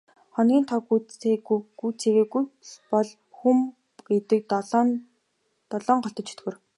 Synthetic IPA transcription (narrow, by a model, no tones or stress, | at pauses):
χɔnɡʲiːnt̪ʰɔɡueɡuːt͡sʰeɣeːɡujpɔɮ | xum | ɡ̥et̪ɘ̆k̪̚ː | t̪ɔɮɔːɴɢɔɬt̪ɞ̆t͡ɕʰɵ̥t̪ɡoːr